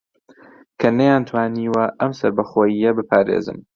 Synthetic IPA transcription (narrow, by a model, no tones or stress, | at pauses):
kʰɐnɐjaːnt̪ʰwaːniːwɐʔɐmsɐɾbɐχoːjijɐbɨpʰaːɾḛːzɨ̰m